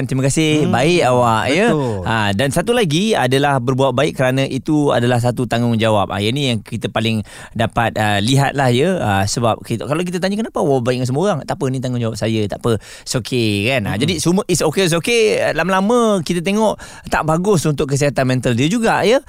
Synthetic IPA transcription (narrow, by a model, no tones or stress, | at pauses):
nt̪iməkasɪhbaɪkawaʔjəadansat̪ulaɡia̰dalahbərbuat̪̚baɪkkːəɾanə̃ʔit̪ua̰dalahs̬at̪ut̪aŋʊŋd͡ʒawap̚a̰jənijaŋkit̪əpalɪŋ | dapat̪̚əliɦa̰t̪̚lahjəəsəbap̚kit̪kalawk̬it̪ət̪aɲəkənapawaabaɪʔ̚ŋans̬əmoɣaŋt̪aʔpənit̪̬aŋʊŋd͡ʒawap̚sajət̪a̰ʔpə | sokʰekana̰d͡ʒadisuməisokeis̬okelaməlamə̃kit̪at̪̬eŋɔʔ | t̪a̰ʔbaɡʊsunt̪ʊʔkːəs̬iɦat̪anmɛ̃nt̪əldiəd͡ʒuɡaʔjə